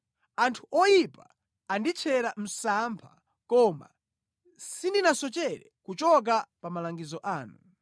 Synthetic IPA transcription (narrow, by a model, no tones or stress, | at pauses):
antʰu̥ʔɔjipaː | ndit͡ʃʰɛɾam̩sampʰa̰ | kɔma̰ | sindinasɔt͡ʃɛɾɛ̰kut͡ʃɔk̬apamalaŋɡizɔʔaːnu